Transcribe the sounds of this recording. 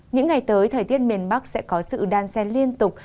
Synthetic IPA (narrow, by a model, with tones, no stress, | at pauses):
ɲɨ̰˧˥ŋːa˨˩jt̪əː˨˦jt̪ʰəː˨˧˩jt̪i˧˥˩ənmi˨˩ənɓa˦˥k̚sɛ̰˧˥kɔ˨˦sɨ̰˧˨ɗaː˨˩nsɛ˨˦nli˧ənt̪ʊ˨˩k͡p̚